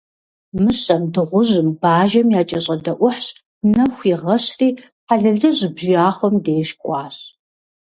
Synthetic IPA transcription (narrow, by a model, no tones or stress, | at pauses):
mɨɕɐmdɨʁʷʊʑɨmbaːʒɐmjaːt͡ʃʼɐɕʼɐdɐʔʷʊħɕ | nɐxʷiʁɐɕriː | ħaɮɐɮɨʑɨbʒaːχʷɔmdeːʃkʷʼɑːɕ